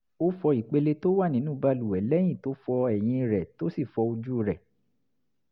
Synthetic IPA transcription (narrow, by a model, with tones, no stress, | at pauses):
o˦fɔ˧i˨k͡pe˧le˧to˦wa˦˨nĩ˨˦nũː˦ba˧lu˨wɛ˨˦lɛ˦j̃ĩ˦˨to˨˦fɔ˧ɛ˨j̃ĩ˧ɾɛ˨to˦si˦˨fɔ˧o˧d͡ʒu˦o˧˨ɾɛ˨